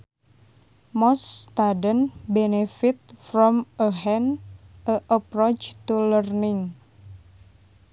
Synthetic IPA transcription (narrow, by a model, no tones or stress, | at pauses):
mɔst̪adənbenefit̪̚fɾɔməɦɛnəʔəpɾot͡ʃt̪ulərnɪŋ